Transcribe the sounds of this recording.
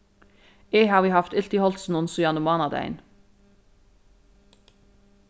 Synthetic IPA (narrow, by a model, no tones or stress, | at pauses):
eːhɑːʋiːhɑft̪ɪlt̪ihɔlt̪sn̩ʊnsʊjɑnəmɑːnɑd̪æ̰ɪn